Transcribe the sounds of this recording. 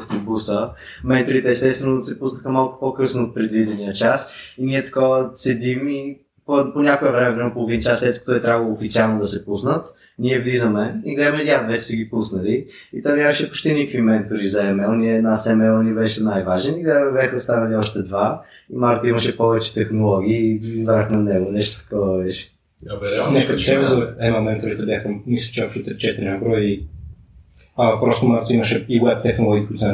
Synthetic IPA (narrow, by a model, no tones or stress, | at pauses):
ft̪obusə | mɛnt̪oɾit̪ɛst̪ɛst̪vɛnosɛpusnəxəmalˠkʊ̥pokɤsnoːt̪̚pɾɛd̪vid̪ɛniət͡ʃasiniɛt̪ɐ̥kɔvəsɛd̪imi | poponʲakoɛvɾɛmɛvɾɛmɛpolˠovint͡ʃaslɛt̪ko̥t̪ɔjt̪ɾʲabvəlˠoːfit̪ialˠnod̪ɐsɛpusnət̪ | nʲiɛvd̪izəmɛiɡlɛxəmɛɾʲat̪vɛt͡ʃɛ̥sɛɡʲipusnəli | it̪amnʲjamɐʃɛpo̥t͡ʃt̪inikəkvimɛnt̪oɾizɐɛmɛlˠnʲiɛnɐasɛmɛlˠnibɛʃɛnajvaʒɛniɡlɛmɛbjaxɐost̪anɐliɔʃt̪ɛd̪va | imaɾt̪oimɐʃɛpɔvɛt͡ʃɛ̥t̪ɛxnolˠɔɡ̟ʲiːizbɾaxmɛnɛɡonɛʃt̪o̥t̪ɐ̥kɔvɐvɛʃɛ̥ | nɛkət̪o̥sɛvɛzɐɛnɔmɛnt̪ɾɛit̪ɛbjaxəmisot͡ʃakʃɛt̪ɛt͡ʃɛt̪iɾinɐbɾɔji | ɐpɾɔst̪omaɾkt̪oimɐʃɛiwɛp̚t̪ɛxnolˠɔɡʲiːkuit̪n